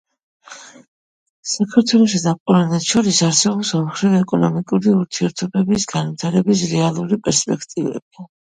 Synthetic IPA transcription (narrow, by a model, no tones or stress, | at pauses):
sakʰaɾt̪ʰwɛlˠɔʃ̬id̪apʼɔɾanɛt̪ʃɔɾisaɾsɛbɔlsɔmχɾivɛkʼɔnɔmikʼuɾiuɾt̪ʰiɛɾt̪ʰɔbɛbisɡanvit̪ʰaɾɛbis̬ɾɛalˠuɾipʼɛɾspʼɛkʰt̪ʼivɛ̰b̥̚i